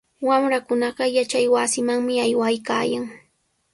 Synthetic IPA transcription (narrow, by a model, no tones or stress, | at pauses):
wamɾakʊnɑɢɑjat͡ʃajwasɪmaŋmɪajwajka̰ːjaŋ